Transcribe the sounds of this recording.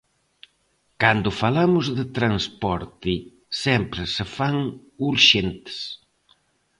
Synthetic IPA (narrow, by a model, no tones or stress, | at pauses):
kand̪ʊfalamʊzðɪt̪ɾanspɔɾt̪i | sɛmpɾɪsefaŋ | uɾʃent̪ɪ̥s